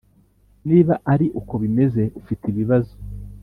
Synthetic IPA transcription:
niːβaʔaɾiʔuko̞βime̞ze̞ʔufitiβiβazo̥

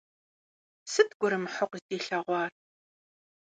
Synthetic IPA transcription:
sɨtɡʷʊɾɨmħʊqʷzdeːɬɐʁʷɑːr

